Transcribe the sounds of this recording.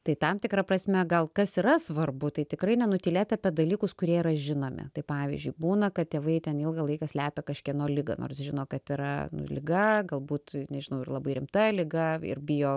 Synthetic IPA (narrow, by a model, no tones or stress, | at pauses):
t̪ɐɪt̪ɐmt̪ʲɪkɾɐprɐsʲmʲɛɡɐlˠkɐsiɾɐsʋɐrbʊt̪ɐɪt̪ʲɪkɾɐɪnʲɛnʊt̪ʲiːlʲeːt̪ɐpʲɛd̪ɐlʲiːkʊskʊɾʲiɛiɾɐʒʲɪnoːmʲɪ̰t̪ɐɪpɑːʋʲḭzʲd͡ʒʲʊɪbuːnɐkɐt̪̚t̪ʲeːʋɐɪt̪ʲɛnɪlˠɡɐlˠɐɪkɑːsʲlʲæːpʲɛkɐʃʲkʲiɛnoːlʲɪɡɐ̰nʔo̰ːɾsʒʲɪnoːkɐt̪ɪɾɐ̰nʊ̰lʲɪɡɐɡɐlˠbuːt̪nʲɛʒʲɪnɐʊɪrlˠɐbɐɪɾʲɪmt̪ɐlʲɪɡɐɪ̰rbʲɪjoː